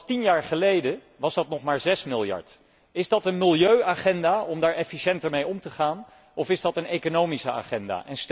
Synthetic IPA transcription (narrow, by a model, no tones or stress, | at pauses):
tinjaːɹχəlejdə | ʋɑzdɑtnɔχmaːɹzɛsmɪlˠjɑ̰ɹt | ɪzdɑtənmɪlˠjøɥaːχɛndaːɔmdaːɹɛfiʃɛntəɹmejɔmtəχaːn | ɔfɪzdɑtənejkonowmisəa̰ːχɛnda̰ːʔɛnst